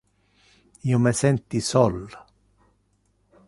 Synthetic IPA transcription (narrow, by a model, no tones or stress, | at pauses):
iomesɛnt̪isɔl